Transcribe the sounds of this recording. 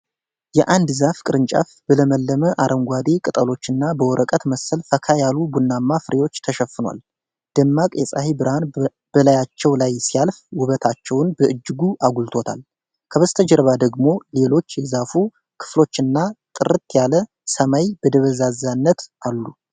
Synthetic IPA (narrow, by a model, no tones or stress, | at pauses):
jɛʔand̪zafkʼɨɾɨnt͡ʃʼa̰fb̥ələməlːəməʔaɾʔəŋɡʷad̪e̞kʼɨt̪ʼəlo̞t͡ʃːɨnːabəwɔɾʔəkʼət̪məsəlfəkʰajalubunːamːafɨɾʔe̞wo̞t͡ʃːt̪ʰəʃəfːɨnwa̰l | d̪̥əmːakʼjɛsʼahibɨɾhan | b̥əlajat͡ʃːɛwlajsijalfwʊβət̪ʰat͡ʃːɛwnbəʔɨd͡ʒːɨɡuʔaɡult̪ʰo̞t̪ʰa̰l | kʰəβəst̪ʰəd͡ʒəɾβad̪əɡmo̞le̞lo̞t͡ʃːjɛzafu | kʰɨ̥flo̞t͡ʃːɨnːat̪ʼɨɾɨt̪jalə | səmajb̥əd̪əβəzazanːət̪ʔalːu